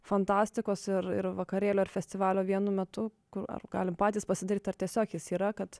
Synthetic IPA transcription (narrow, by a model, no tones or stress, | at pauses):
fɐnt̪ɑːsʲt̪ʲɪkoːsɪɾɪ̰ɾʋɐkɐɾʲeːlʲoːɪɾfʲɛsʲt̪ʲɪʋɑːlʲoːʋʲiɛnʊmʲɛt̪ʊkʊrɐ̰rɡɑ̰ːlʲɪmpɑːt̪ʲiːspɐsʲɪd̪ɐɾiːt̪ɐɾt̪ʲiɛsʲoːkʲjɪsiːɾɐkɐt̪